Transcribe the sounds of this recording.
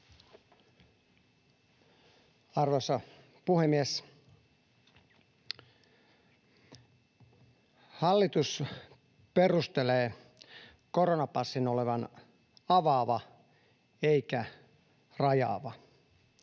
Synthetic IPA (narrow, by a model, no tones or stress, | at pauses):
ɑrʋosɑ | puhemːies | hɑlːit̪us | perust̪eleː | koronɑpɑsːinoleʋɑn | ɑʋɑːʋɑ | eikæ | rɑjɑ̰ːʋɑ